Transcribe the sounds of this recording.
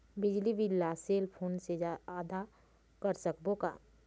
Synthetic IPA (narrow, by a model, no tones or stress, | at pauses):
bɪd͡ʒliʋɪlːaseːlpʰoːnsed͡ʒaaːd̪a | kəɾsəkboka̰ː